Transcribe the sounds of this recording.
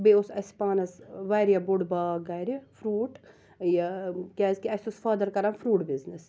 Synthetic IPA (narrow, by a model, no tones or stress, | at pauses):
beosɐsi̥paːnɐsʋajɾjɐbuɽbaːɡɐjɾfɾuːʈ | jɐkʲaːzkiɐsʲusfɐːd̪ɐɾkɐɾamfɾuːʈbiznis